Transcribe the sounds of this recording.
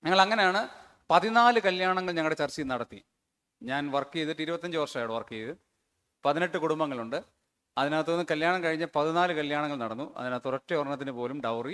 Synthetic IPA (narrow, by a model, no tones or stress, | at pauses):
ɲɐŋːɐɭɐŋːɐne̞jaːɳɨ | pɐðinaːlɨkɐljaːɳɐŋːɐɭɲɐŋːɭɨɽet͡ɕɐrt͡ɕːinɐɽɐt̪ːi | ɲaːnʋɐrkːijɐðɨʈiɾubɐt̪ːɐɲd͡ʑɨʋɐrʂɐmaːjɽɨʋɐrkːijɐðɨ | pɐðine̞ʈːɨkuɽumbɐŋːɐɭuɳɖɨ | ɐðinaːt̪̬ːonːɨkɐljaːɳɐmkɐɻiɲːɐpɐðinaːlɨkɐljaːɳɐŋːɐɭnɐɽɐnːuɐ̰ðinaːt̪ːurɐtːeorɳɐt̪̬ːinɨpo̞ːlumɖɐwri